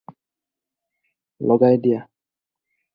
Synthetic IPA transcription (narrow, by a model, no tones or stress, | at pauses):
lɔɡajdija